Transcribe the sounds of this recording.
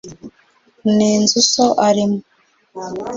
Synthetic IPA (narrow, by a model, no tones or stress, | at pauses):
niːnzusoʔaɾimo